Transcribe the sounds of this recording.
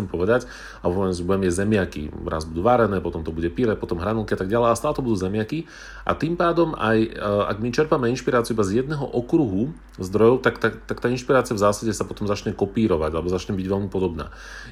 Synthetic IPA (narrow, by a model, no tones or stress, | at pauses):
ɛmpɔʋɛd̪ac | aɔzubɛmjɛzɛmɪakḭɾa̰zbud̪uːʋaɾɛnɛːpɔt̪ɔmt̪ɔbuɟɛpiɾɛpɔt̪ɔmɦɾanɔlkiat̪aɡɟalɛjaɛst̪aːlɛt̪ɔbud̪uːzɛmɪaki | ʔa̰t̪impaːd̪ɔma̰ja̰ɡmit͡ʃɛɾpamɛinʃpiɾaːt͡siːuibazjɛd̪̚nɛːɦɔ̰ʔɔkɾuɦu | zd̪ɾɔjɔʊt̪akt̪at̪akt̪aːinʃpiɾaːt͡siavzaːsaɟɛsapɔt̪ɔmzat͡ʃɲɛkɔpiːɾɔʋaɟalɛbɔzat͡ʃɲɛmbiɟʋɛlmipɔd̪ɔbna̰ː